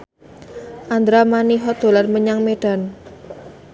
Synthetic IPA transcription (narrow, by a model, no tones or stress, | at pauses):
ʔand̪ɾamaniɦɔd̪o̤larməɲaŋmeɖ̥a̤n